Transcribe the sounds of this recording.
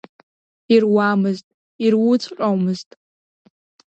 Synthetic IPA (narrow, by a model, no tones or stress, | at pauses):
irwamɨztʼ | irwʊt͡sʼqʼowmɨztʼ